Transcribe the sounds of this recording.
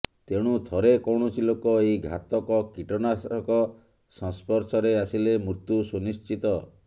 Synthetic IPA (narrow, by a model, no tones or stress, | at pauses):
t̪eɽ̃ut̪ʰɔɾekɔwɳ̃ɔt͡ʃʰilokɔejɡʱa̰t̪ɔkɔkiʈɔnasɔkɔ | sɔ̃spɔɾsɔɾeasilemuɾt̪usunist͡ʃit̪ɔ